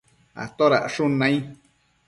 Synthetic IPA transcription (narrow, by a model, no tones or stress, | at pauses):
a̰t̪oɾaʔʂunãĩ